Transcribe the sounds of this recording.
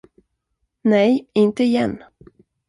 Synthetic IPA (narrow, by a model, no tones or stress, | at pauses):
nɛjɪnt̪əɪjɛnː